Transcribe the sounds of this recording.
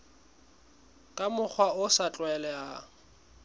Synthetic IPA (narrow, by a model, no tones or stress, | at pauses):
kʼamʊk͡xʰwaʊsat͡ɬʼwɛlɛa